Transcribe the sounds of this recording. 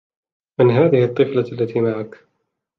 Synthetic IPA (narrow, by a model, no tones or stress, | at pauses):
mɪnɦaːðɪhɨt̪ˤːɨflalːat̪iːmaʕak